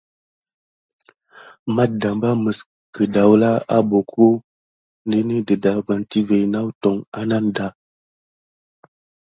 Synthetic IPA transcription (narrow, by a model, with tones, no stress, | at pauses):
ma˦t̚da˨mba˦mə˨s | kə˨da˨wla˦a˦bo˨kʰo˦ | nde˦ne˦də˨da˨ɡ͡ba˨nti˦ve˨jna˦wtɔ˨ŋa̰˦na˦nda˨˦